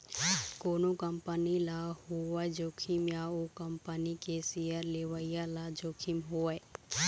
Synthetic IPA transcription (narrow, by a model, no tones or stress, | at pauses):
koːnokəmpənilahoad͡ʒoːkʰimjaokəmpənikesijəɾleːʋaɪjalad͡ʒoːkʰimɦoːə